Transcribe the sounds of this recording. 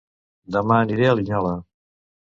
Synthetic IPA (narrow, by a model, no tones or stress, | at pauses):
d̪əmaəniɾeəliɲalə